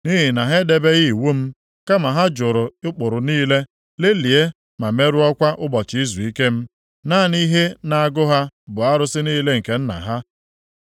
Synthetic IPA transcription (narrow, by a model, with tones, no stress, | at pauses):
ni˦ɦi˨na˨ɦe˦de˨be˦ɣi˦˨wu˦m̩˦ | ka˦ma˨ɦa˦d͡ʒʊ˨ɾʊ˨ʊ˦k͡pʊ˨ɾʊ˨niː˦le˦ | le˦li˨e˦ | ma˨me˦ɾu˦ɔ˦kʷa˦ʔʊ˦bɔ˨t͡ʃɪ˨i˦zu˨i˦ke˦m̩˦ | na˦˨ni˦ɦe˦na˨a˦ɡʊ˦ɦa˦bʊ˨a˦ɾʊ˦sɪ˦niː˦le˦ŋ̩˨ke˨n̩˦na̰˨ɦa˦